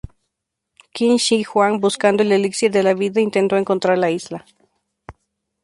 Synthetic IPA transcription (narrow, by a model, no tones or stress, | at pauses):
kinʃixwaŋbuskand̪o̞eleliksiɾðe̞laβiðaint̪e̞nt̪o̞e̞ŋko̞nt̪ɾaɾlaizla